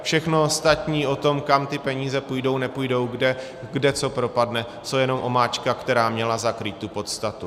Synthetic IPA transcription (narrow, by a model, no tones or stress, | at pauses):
fʃɛxnoost̪at̪ɲiːo̞t̪o̞mkamt̪ɪpɛɲiːzɛpujdo̞wnɛpuːjdo̞wɡdɛ | ɡdɛt͡so̞pɾo̞padnɛ | sowjɛno̞mʔo̞maːt͡ʃkakt̪ɛɾaːmɲɛlazakɾiːt̪ːupo̞t̪st̪at̪u